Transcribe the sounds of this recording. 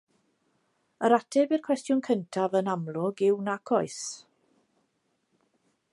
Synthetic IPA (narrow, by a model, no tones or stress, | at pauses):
əɾatʰɛbirkʰw̥ɛstjʊnkʰəntʰavənamlˠʊɡɪwnakʰɔɨs